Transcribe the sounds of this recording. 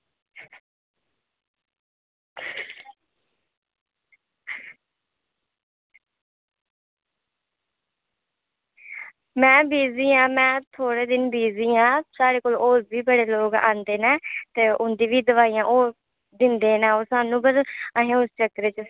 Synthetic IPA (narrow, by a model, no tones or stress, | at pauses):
mɛ̃ːbiːziːãːmɛ̃ːt̪ʰoːɽeːd̪ɪnbiːziːãːsaːɽeːkoːloːɾbiːbəɽeːloːɡã̰ːnd̪eːnɛːt̪eːʔʊnd̪iːʋiːd̪əʋaːiːjãːʔoː | d̪ɪnd̪eːnɛ̃ːoːsaːnũːbəɾəɦẽːʊst͡ʃəkːɾeːt͡ʃ